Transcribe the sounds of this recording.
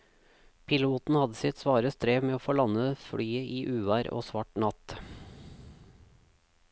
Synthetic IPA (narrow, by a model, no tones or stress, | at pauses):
pʰɪluːt̪n̩hɑd̪əsɪt̪sʋɑːɾəst̪ʰɾeːmeːoːfoːlɑnəfɽyːəʔiːʔʉːʋæːɾo̰ːsʋɑːʈnɑt̪